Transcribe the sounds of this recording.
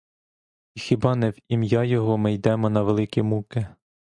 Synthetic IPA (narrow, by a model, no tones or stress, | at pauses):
ixʲɪbɑnɛwimjɑjɔɦɔmɪjd̪ɛmɔnɐʋelˠɪkʲimukɪ